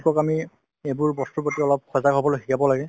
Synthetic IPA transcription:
kɔkami | ebʊɹbɔstupɔtiɔlɔp̚xɔzakɦobɔlojxikabɔlaɡɛ

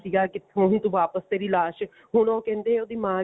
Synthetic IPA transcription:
siːɡaːkɪt̪ʰːõːɦnt̪ũːʋaːpəst̪eːɾiːlaːʃ | ɦʊɳɔːkɛ̃ːnd̪eːɛ̃oːd̪iːmãː

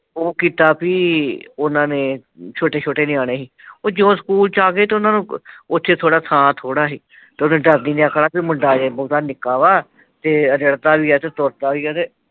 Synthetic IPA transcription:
oːkiːt̪aːpiːʊnãːnẽːt͡ʃʰoːʈeːt͡ʃʰoːʈeːnẽːaːɽ̃eːɦiːoːd͡ʒõːsə̥kuːlt͡ʃaːɡeːt̪eːʊnãːnũːot̪ʰːeːt̪ʰoːɽaːt̪ʰãːt̪ʰoːɽaːɦiː | t̪eːonːɖəɾdiːnẽːakʰɽaːpimʊɳɖaːd͡ʒeːboːt̪aːnɪkaːʋaː | t̪eːəɾəɽt̪aːʋiːaːt̪eːt̪oːɾt̪aːʋiːɛːt̪eː

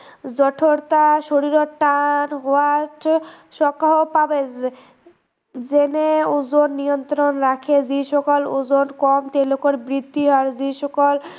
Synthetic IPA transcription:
d͡ʑɔʈʰoɾt̪aʃoɾiɾoʈanɦoaʈ | ʃɔkːaɦopabe | d͡ʑeneuzonːijont̪ɾonɾakʰed͡ʑiʃɔkoluzonkɔmt̪elokoɾbɾid̪ʱːiɦɔaɾd͡ʑiʃɔkol

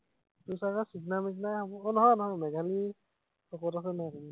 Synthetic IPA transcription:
tusakasiɡnamik̬najhɔbɔnɔɦɔjnɔɦɔjmɛɡʱali | sɔkɔtas̬ɛnɔ

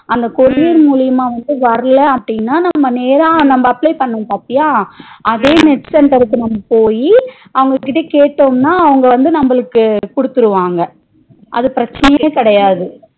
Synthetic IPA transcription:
ʔɐnd̪ɐkɔɾɪjɪɾmuːɭɪjɐmãːʋɐnd̪ɯʋɐɾɐlɐɐpːɐɽɪnːaːnɐmːɐneːɾaːnɐmbɐːplɐɪpɐɳːɯũmpaːpːɪjaːʔɐðeːnɛʈsɛɳʈɐɾɯkːɯnɐmːɐpoːji | ɐʋɐŋɡɐkːɪʈ̬ːeːkeːʈːoːmnaːɐʋɐŋɡɐʋɐnd̪ɯnɐmbɐɭɯkːɯkɔɽɯt̪ːɯɾɯʋaːŋɡɐ | ʔɐ̰ðɯpɪɾɐt͡ʃːɐnɐjeːkɐɽɐjaːðɯ

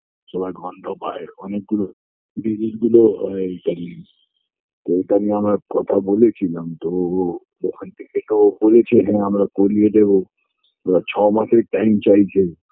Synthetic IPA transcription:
səbajɡʱəɳɖoba̰eɾənek̚ɡulo | ɖid͡ʒilɡuloət̪aɾi | t̪ɔeit̪aɾimeɦəmɾakət̪ʰabolet͡ʃʰiləmt̪o | lokʰənt̪iket̪obolet͡ʃʰɛɦɛ̃ɦəmɾakolied̪ebo | mɾat͡ʃʰɔmãsek̚ʈaimt͡ʃait͡ʃʰɛ

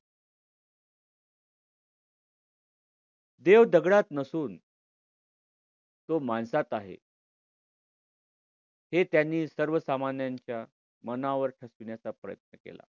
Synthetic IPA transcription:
d̪eʋd̪əɡɽat̪nəsuːn | t̪omaɳsat̪aɦḛ | het̪janːiːsəɾʋəsamanjaɲt͡ɕja | mənaʋəɾʈʰəsʋɳjat͡sapɾə̰jə̰t̪nəkḛla̰

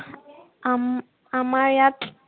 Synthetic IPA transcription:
amaɾjat

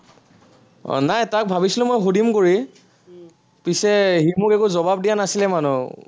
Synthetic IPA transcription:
najtak̚bʱabisilʊ̃mojxudimkoɹi | pisɛɦimukɛkuzɔbab̚dijanasilɛmanu

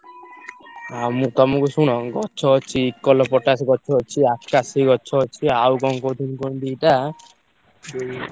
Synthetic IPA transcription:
amut̪ɔmɔkusuɽ̃ɔɡɔt͡ʃʰɔɔt͡ʃʰiːkːɔlɔpɔʈasɡɔt͡ʃʰɔɔt͡ʃʰiakkasiɡɔt͡ʃʰɔɔt͡ʃʰiawɡɔŋkot̪inkõnd̪iʈa

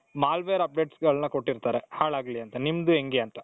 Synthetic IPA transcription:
maːlʋeɐɾɐp̚ɖeːʈsɡɐɭnɐkoʈːiɾt̪aːɾehaːɭaːɡliɐnt̪ɐnimd̪ueŋɡeɐnt̪ɐ̥

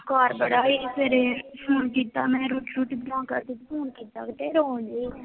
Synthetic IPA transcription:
kɔːɾbəɽaːeːseːɾepʰuːnkiːt̪aːmɛ̃ːɾuːʈɾuːʈibɪnãːkəɾt̪it̪fʰuːnkiːt̪aːkt̪eːɾoːnd͡ʒiː

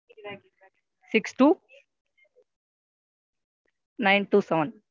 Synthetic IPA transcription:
siksʈu | najnʈuːsɛʋən

